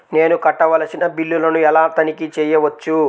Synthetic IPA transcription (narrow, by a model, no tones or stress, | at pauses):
ne̞ːnukɐʈːɐʋɐlɐsinɐbilːulɐnuɛlaːt̪ɐnikit͡ʃɛːjɐʋɐt͡ʃːu